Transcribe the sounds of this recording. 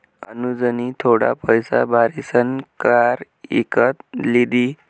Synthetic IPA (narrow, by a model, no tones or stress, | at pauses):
ə̰nud͡zənit̪ʰoɽa̰pəjsa̰bʱaɾisənkaɾ | ḭkət̪lid̪i